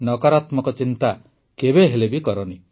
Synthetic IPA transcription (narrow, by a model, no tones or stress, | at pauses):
nɔkaɾat̪mɔkɔt͡ʃint̪a | kebeɦelebikɔɾɔni